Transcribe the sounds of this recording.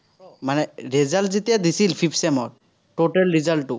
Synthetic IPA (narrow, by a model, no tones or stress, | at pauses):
manɛɹɛzaltzetijad̪isilpʰipʰsɛmɔɹ | toʈɛlɹizaltːu